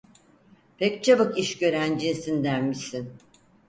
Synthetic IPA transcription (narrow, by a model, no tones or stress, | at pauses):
pʰɛc̚t͡ʃʰabɯkiʃɟø̞ɾænd͡ʒinsind̪ænmisin